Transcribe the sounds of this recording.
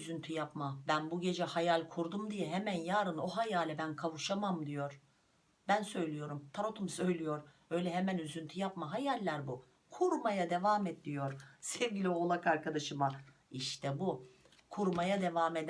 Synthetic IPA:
yzynt̪ʰyjapmabænbuɟe̞d͡ʒɛhajalʲkʰuɾd̪umd̪ijɛɦemænjaːɾɯno̞ɦajaːlʲɛbænkʰavuʃamamd̪ijo̞ɾ | bænsø̞jlʲijo̞ɾumt̪ʰaɾo̞t̪ʰumsø̞jlʲijo̞ɾ | ø̞jlʲɛɦemænyzynt̪ʰyjapmaɦajalʲːæɾbu | kʰuɾmajad̪e̞vaːmet̪lʲijo̞ɾsɛvɟilʲio̞lˠakaɾkʰad̪aʃɯma | iʃt̪ʰɛbu | kʰuɾmajad̪e̞vaːme̞d̪

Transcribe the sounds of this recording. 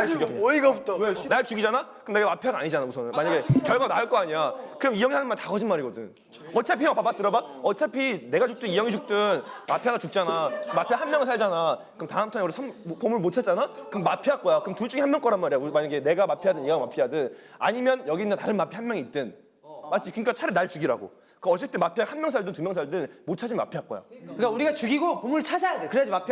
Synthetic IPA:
naɭt͡ɕuɡijʌkɯiɡautʰnaɭt͡ɕuɡid͡ʑanakɯmne̞ɡamapʰeaɡaa̰ɲid͡ʑanausʰʌnɯnmaɲaɡe̞kjʌɭɡanaɯɭk͈oaɲijakɯɾʌmijʌŋihanɯnmantaɡʌd͡ʑinmaɾiɡʌdɯn | ʌt͡ɕʰapʰijʌŋpabat͈ɯɾʌbaʌt͡ɕʰapʰine̞ɡat͡ɕuk̚t͈ɯnijʌŋid͡ʑuk̚t͈ɯnmapʰeɡat͡ɕuk̚t͡ɕ͈anaɯmapʰehanmjʌŋɯɭsʰaɭd͡ʑanakɯmtaɯmtʰanjʌɾsʰampomuɭmot͡ɕʰad͡ʑanakɯmapʰiak͈ʌjakɯmtut͡ɕ͈uɡihanmjʌŋk͈ʌɾanmaɾiaumaɲaɡene̞ɡamapʰijadɯniɡamapʰijadɯna̰ɲimjʌnjʌɡinːataɾɯnmapʰihanmjʌŋiːt̚t͈ɯn | mat͡ɕ͈ʰikɯŋk͈at͡ɕʰaɾɯnaɭt͡ɕuɡiɾa̰ɡo̰ | kɯʌt͡ɕ͈et͈emapʰiahanmjʌŋsʰaɭdɯntumjʌŋs̬ʰaɭdɯnmot͡ɕʰad͡ʑinma̰pʰiak͈ʌja̰kɯk͈auɾiɡat͡ɕuɡiɡopomuɭt͡ɕʰad͡ʑajadekɯɾead͡ʑimapʰ

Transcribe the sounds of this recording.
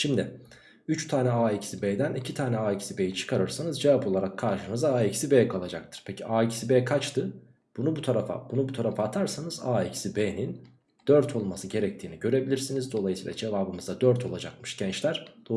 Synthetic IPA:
ʃimd̪ɪ | yt͡ʃt̪ʰaːnʲɛaːicsibeːd̪ænicʰit̪ʰaːnɛaːicsibejit͡ʃʰɯ̥kʰaɾɯɾsanɯzd͡ʒevapʰo̞lˠaɾakʰːaɾʃɯnɯzaːicsibejɛkʰalˠad͡ʒak̚t̪ʰɯ̥ɾ̥pʰe̞cʰiaːicsibeːkʰat͡ʃt̪ʰɯ | b̥unubut̪ʰaɾafa̰bunubut̪ʰaɾafaːt̪ʰaɾsanɯza̰ːicsibeːnin | d̪̥øɾt̪ʰo̞lˠmasɯɟe̞ɾɛc̚t̪ʰiːniɟø̞ɾe̞bilʲiɾsinizd̪o̞lˠajɯsiːlʲˠa̰d͡ʒe̞vaːbɯmɯzd̪ad̪øɾt̪ʰo̞lˠad͡ʒakmɯʃɟ̥ɛnt͡ʃlʲæɾ̥d̪̥o

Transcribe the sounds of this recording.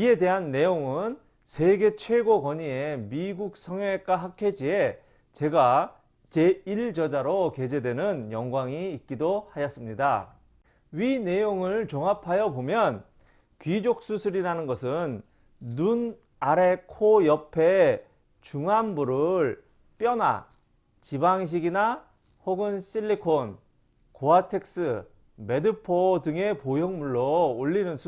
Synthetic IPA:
ie̞de̞ɦanːe̞joŋɯn | sʰe̞ɡe̞t͡ɕʰwe̞ɡokʌɲie̞miɡuk̚s͈ʰʌŋwek͈aɦakʰed͡ʑie̞ | t͡ɕe̞ɡa | t͡ɕe̞iɭd͡ʑʌd͡ʑaɾoke̞d͡ʑe̞dwe̞nɯnjʌŋɡwaŋiːt̚k͈idohajʌs͈ɯmɲida | ɥine̞joŋɯɭt͡ɕʌŋapʰajʌbomjʌn | kɥid͡ʑok̚s͈usʰɯɾiɾanɯnɡʌsʰɯnː | un | aɾe̞kʰojʌpʰe̞ | t͡ɕuŋanbuɾɯɭ | p͈jʌna̰ | t͡ɕibaŋɕ̬ʰiɡina | hoɡɯnɕ͈ʰiʎːikʰon | koatʰek̚s͈ɯ | me̞dɯpʰodɯŋe̞pojʌŋmuɭːoːʎːinɯnsʰ

